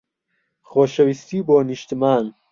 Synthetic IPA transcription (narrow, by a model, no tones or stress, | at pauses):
xoːʃɐwist̪iːboːniʃt̪imaːn